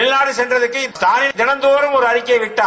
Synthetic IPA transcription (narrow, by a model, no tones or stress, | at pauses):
ɪlnaːɽɯsɛndrɐðɯkːɯst̪ʰaːnɪnd͡ʒɛnɐnd̪oːɾɯmɔɾɯɐɾɪkːɐʋɪʈːaː